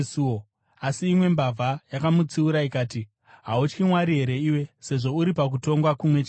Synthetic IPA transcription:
uo | asiːmwe̞mbavʱajakamut͡siuɾaikaːti | ɦaut͡ʃkimwaɾiɦe̞ɾe̞iːwe̞se̞ʐo̞uɾipak̬uto̞ŋɡwakumwet͡ʃa

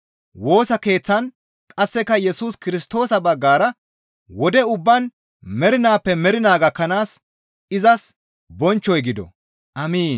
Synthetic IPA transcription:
wo̞ːsɐke̞ːt͡sːɐn | kʼɐsːɛkːɐjɛsuːskɪɾɪst̪o̞ːsɐbɐɡːaːɾɐ | wɔd̪ɛʊbːɐn | mɛɾɪnaːpːɛmɛɾɪnaːɡɐkːɐnaːs | ɪzɐs | bɔnt͡ʃːɔjɡɪd̪ɔ̰ | ʔɐmiːn

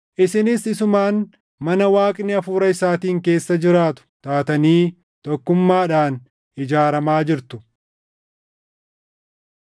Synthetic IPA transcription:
ʔɪsɪnɪsɪsʊmaːn | mɐnɐwaːkʼnɪɐfuːɾɐɪsaːt̪iːŋke̞ːsːɐd͡ʒɪɾaːt̪ʊ̥t̪aːt̪ɐniː | t̪ɔkːʊmːaːᶑaːn | ɪd͡ʒaːɾɐmaːd͡ʒɪɾt̪ʊ̥

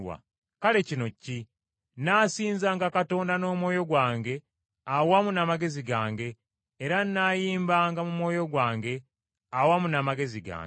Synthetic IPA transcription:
wa̰ | kale̞cino̞ci | naːsiːnzaŋɡakato̞ːndano̞ːmwo̞ːjo̞ɡwaːŋɡe̞ | awamunamaɡe̞ziɡaːŋɡe̞ː | ɾanːajiːmbaːŋɡamumwo̞ːjo̞ɡwaːŋɡe̞ | awamunamaɡe̞ziɡa̰ːŋ

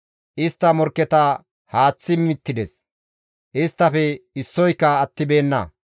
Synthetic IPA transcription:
ʔɪst̪ːɐmɔɾkːɛt̪ɐ | haːt͡sːɪmɪt̪ːɪd̪ɛs | ʔɪst̪ːɐfɛɪsːɔjkːɐːt̪ːɪbe̞ːnːɐ̰

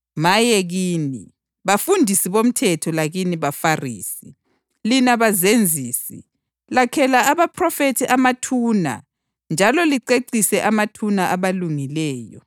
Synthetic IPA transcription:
majɛɣiːni | βafundʱisiβom̩tʰɛtʰɔlaɣiniβafarḭːsi | linaβazend͡zʱiːsḭ | lakʰɛlaaβapʰrɔfetʰiʔamatʰuna̰ | nd͡ʒʱalɔliǀeǀisɛʔamatʰunaʔaβaluŋilɛːjɔ̰

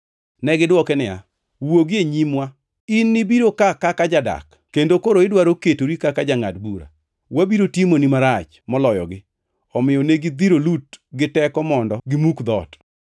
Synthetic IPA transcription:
nɛɡɪdwɔkɛnɪa̰ | woɡɪeɲimwa | inːɪbiɾokakakad͡ʒada̰k | kendokoɾoɪdwaɾoketoɾikakad͡ʒaŋa̰dbuɾa̰ | wabiɾotimonimaɾat͡ʃ | mɔlɔjɔ̰ɡɪ | ɔmɪjɔneɡɪd̪iɾolutɡɪtɛkɔmɔndɔɡɪmukd̪ɔt

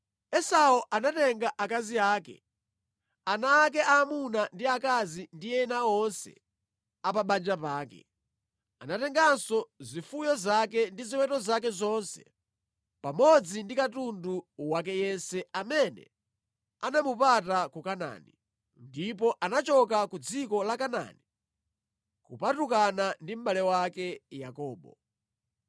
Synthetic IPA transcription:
ɛsaɔʔanatɛŋɡaʔakaziaːkɛ̰ | anaːk̬ɛamunandiakazindiɛnaɔnsɛ̰ | apaɓand͡ʒapaːkɛ̰ | a̰natɛŋɡansɔzifujɔzak̬ɛndiziwɛtɔzak̬ɛzɔnsɛ̰ | pamɔd͡zindikatunduwak̬ɛjɛnsɛamɛnɛ̰ | anamupatakukana̰ni | ndip̬ɔʔanat͡ʃɔkakud͡zikɔlakana̰ːni | kupatukanandim̩ɓalɛwakɛjakɔːɓɔ̰

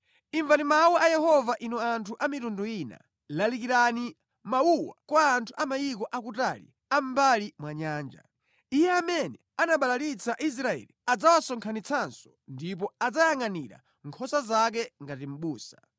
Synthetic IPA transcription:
iɱvanimawuʔajɛhɔvaʔinɔantʰuʔamitunduina̰ | lalikiɾani | mawuwa̰kwaːntʰuʔamajik̬ɔʔak̬utalḭ | am̩balimwaɲaːnd͡ʒa̰ | ijɛamɛnɛ | anaɓalaɾit͡sʰaʔis̬ɾaɛ̰liad͡zawasɔŋkʰanit͡sʰansɔ̥ndip̬ɔad͡zajaŋaniɾa̰ | ŋkʰɔsazak̬ɛŋɡatim̩ɓuːsḁ

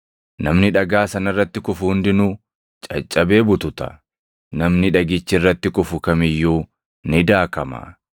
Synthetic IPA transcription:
nɐmnɪᶑɐɡaːsɐnɐrːɐt̪ːɪkʊfʊhʊnd̪ɪnʊ | t͡ʃʼɐt͡ʃʼːɐbe̞ːbʊt̪ʊt̪ɐ̥̰ | nɐmnɪᶑɐɡɪt͡ʃːɪrːɐt̪ːɪkʼʊfʊkɐmɪjːuː | nɪd̪aːkɐmɐ̰

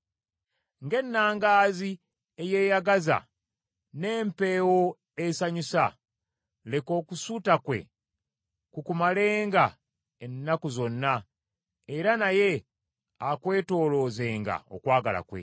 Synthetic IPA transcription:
ŋɡe̞nːaːŋɡaːzi | eje̞ːjaɡaza̰ | ne̞ːmpe̞ːwo | esaɲusa | le̞ko̞ːkusutakwe̞̰ | kukumaleːŋɡa | enːakozo̞nːa | eɾanaje̞ | akwe̞ːto̞ːlo̞zeːŋɡa̰o̞̰kwaːɡa̰la̰kwe̞̰

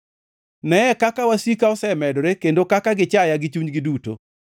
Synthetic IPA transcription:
nɛɛkakawasikaɔsɛmɛdoɾekendokakaɡɪt͡ʃajaɡɪt͡ʃuɲɡɪduto̰

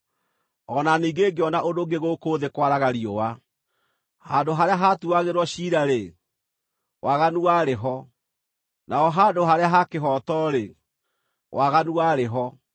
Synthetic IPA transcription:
ɔnaniːɡeɡeɔnaʔondoɡeɣokoːðekwaɾaɣaɾiowa | handoɦaɾeaɦatuaɣeɾwɔɕiːɾaɾe | wʔaɣanuaɾeɦɔ | naɔɦaːdoɦaɾeaɦakeɦɔtɔɾe | wʔaɣanuaɾeɦɔ

